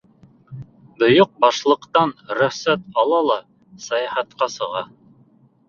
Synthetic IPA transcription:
b̪ŏjoq̚bɑʃlˠɤ̆qt̪ɑnɾɵ̆χsæt̪̚ɑlˠɑlˠɑ | sɑjɑhɑt̪̚qɑsɤ̆ʁɑ

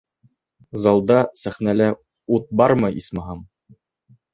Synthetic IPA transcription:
zɑlˠd̪ɑsæχnælæ | ut̪̚bɑɾmɤʔismɑɦɑm

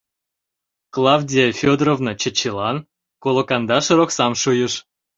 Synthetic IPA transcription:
klˠɑwdʲiefʲod̪rovnɤt͡ɕə̆t͡ɕːilˠɑn | kolˠokɑnd̪ɑʃəɾoksɑmʃujəʃ

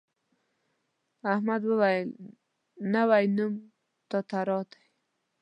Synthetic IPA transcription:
ahmad̪wəwajəl | nawajnum | t̪ɔt̪aɾɑt̪ḁj

